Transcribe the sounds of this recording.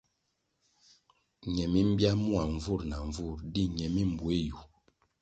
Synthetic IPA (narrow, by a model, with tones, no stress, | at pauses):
ɲɛ˨mi˦m̩˦bja˦mu˦a˨ɱ˦vu˦˨ɾna˨ɱ˨vu˦˨ɾdi˦ɲɛ˨mi˦˨m˨bwe˦ju˨